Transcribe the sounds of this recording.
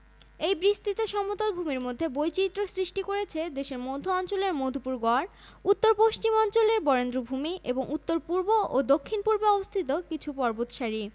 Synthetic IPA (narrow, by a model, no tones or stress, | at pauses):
ejbɾist̪it̪oʃɔmot̪olbʱumiɾmod̪ʱːebojt͡ɕit̪ːɾosɾiʃʈikoɾet͡ɕʰed̪eʃeɾmod̪ʱoɔnt͡ɕoleɾmod̪ʱopuɾɡɔɾ | ut̪ːoɾpoʃt͡ɕimɔnt͡ɕoleɾbɔɾend̪ɾobʱumiʔeboŋut̪ːoɾpuɾboʔod̪okʰːinpuɾbeɔbost̪ʰit̪okit͡ɕʰupɔɾbot̪ʃaɾi